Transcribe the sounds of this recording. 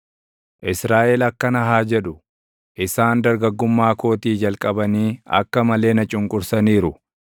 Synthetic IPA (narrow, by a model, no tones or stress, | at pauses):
ʔɪsɾaːʔɛlɐkːɐnɐɦaːd͡ʒɛᶑʊ | ʔɪsaːnd̪ɐɾɡɐɡːʊmːaːko̞ːt̪iːd͡ʒɐlkʼɐbɐniːɐ̰kːɐmɐle̞ːnɐt͡ʃʼʊŋkʼʊɾsɐniːɾʊ